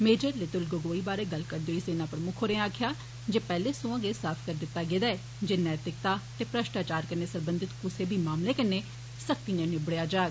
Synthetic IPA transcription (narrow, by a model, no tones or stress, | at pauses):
meːd͡ʒəɾlɪt̪ʊlɡəɡoːiːbaːɾeːɡəlkəɾd̪eoːiːseːnaːpəɾmʊkʰoːɾẽːaːkʰɪjaː | d͡ʒeːpɛːleːsõːãːɡeːsaːpʰkəɾd̪ɪt̪ːaːɡeːd̪aːɛː | d͡ʒeːnɛːt̪ɾɪkt̪aːt̪eːpɾəʃʈaːt͡ʃaːɾkəɾneːsəɾbənd̪ɪt̪kʊseːbʱiːmaːmleːkəɾneː | sək̚t̪iːnẽːnebəɽejaːd͡ʒaːɡ